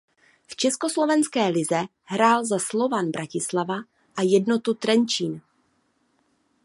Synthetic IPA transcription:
ft͡ʃɛsko̞slo̞vɛnskɛːlɪzɛ | ɦɾaːlzaslo̞vanbɾʔacɪslava | ʔajɛdnot̪ut̪ɾɛnt͡ʃiːn

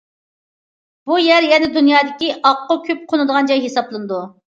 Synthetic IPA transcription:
b̥ujɛɾjɛnɪd̪unjɑːd̪ɪkʲiʔɑqːʊkʲʰyp̚qʰonɨd̪əʁɑnd͡ʒɑjɦesɑblˠɨnɨd̪u

